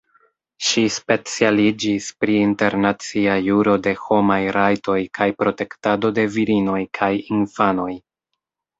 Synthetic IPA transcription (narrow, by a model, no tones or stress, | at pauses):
ʃispe̞t͡sialid͡ʒispɾiːnte̞ɾnat͡siajuɾo̞de̞ho̞majɾajto̞jkʰajpɾo̞te̞ktado̞de̞viɾino̞jkʰajinfano̞j